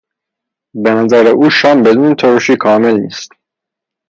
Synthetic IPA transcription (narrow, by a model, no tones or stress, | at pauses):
benæzæɾeʔuːʃɒːmbed̪uːnt̪ʰoɾoʃiːkʰɒːmelniːst̪